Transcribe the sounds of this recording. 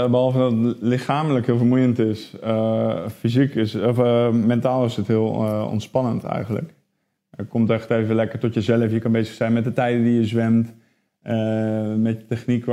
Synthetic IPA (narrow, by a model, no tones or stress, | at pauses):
bəɔlˠfədɔtlɪxaːmləkhɪəlˠfərmujəntɪsəfizikɪsfmɛntaːlˠɪsəthiəlˠɔ̰ntspɑnəntʰɛ̰jxɣən̩lə̰k | əkomtɛxteːvəvəlɛkərtɔtjəzɛləfjəkɑnbeːzəxsɛjnmɛt̚dətɛjdədijəzʋɛmt | mɛtətɛxnikʋ